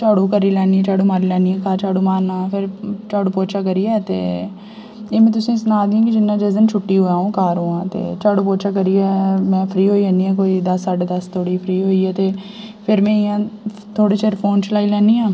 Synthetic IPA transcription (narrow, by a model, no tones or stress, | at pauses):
t͡ʃaːɽũːkəɾiːlɛːnĩːt͡ʃaːɽũːmaːɾiːlɛːniːɛ̃ːkaːt͡ʃaːɽũːmaːɾnãːpʰɪɾt͡ʃaːɽuːpoːt͡ʃaːkəɾiːɛːt̪ḛː | eːmɛ̃ːt̪̬ʊsĩːsənaːd̪iãːkɪd͡ʒɪnːãːd͡ʒezənt͡ʃʰʊʈːiːɦoːjaːõːkaːɾɦoːãːt̪ḛːt͡ʃaːɽũːpoːt͡ʃaːkəɾiːɛːmɛ̃ːpʰɾiːɦoːiːɛniːɛ̃ːk̬oːiːd̪əsəʈd̪əst̪ʰoːɽiːpʰɾiːɦoːiːɛːt̪eː | pʰɪɾmɛ̃ːɪjãː | t̪ʰoːɽeːt͡ʃeɾpʰoːnt͡ʃlaːiːlɛːniːãː